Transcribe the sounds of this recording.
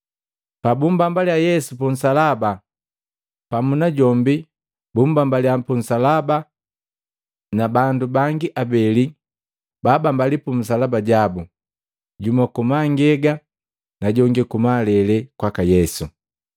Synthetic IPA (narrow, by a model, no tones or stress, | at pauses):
pabumbambaljajɛsupun̩salaba | pamunaɟɔmbi | bumbambaliampun̩salaba | nabandubaŋɡiʔabɛli | babambalipum̩s̬alabaɟabu | ɟumakumaŋɡɛɡa | naɟɔŋɡikumalɛlɛkwakajɛsu